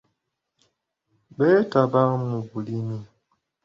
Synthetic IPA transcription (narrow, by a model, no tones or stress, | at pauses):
bɛtabaŋmũbulimi